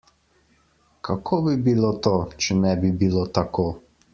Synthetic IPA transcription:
kʰakʰoːbibilot̪oːt͡ʃɛnɛbibilot̪akoː

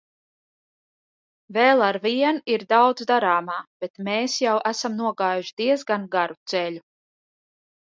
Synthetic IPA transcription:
vɛːlˠaɾviɛniɾd̪awd̪zd̪aɾaːmaːb̥et̪meːsjawʔæsamnuɔɡaːjuʃd̪iɛzɡanɡaɾut̪sɛʎu

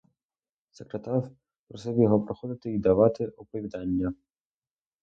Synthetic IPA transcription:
sekɾet̪ɑr | ɾɔsɛwjɔɦɔpɾɔxɔd̪ɪt̪ɪid̪ɐʋɑt̪ɪʔɔpɔʋʲid̪ɑnʲːɐ

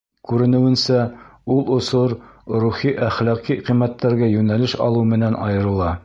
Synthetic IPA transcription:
kʉɾɘ̆nɘ̆wɘ̆nsæulˠŏsoɾɾuχiʔæχlæqiqimːæt̪ːæɾɡæjʉnælɘʃɒ̰lˠumɘ̆nænʔɒ̰jɤ̆ɾɤ̆lˠɑ

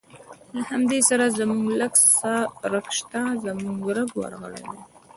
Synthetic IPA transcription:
lahamd̪esaɾazamuŋɡləɡsaɾəkʃt̪azamuŋɡɾəɡwa̰ɾɣə̰ɽḛd̪e

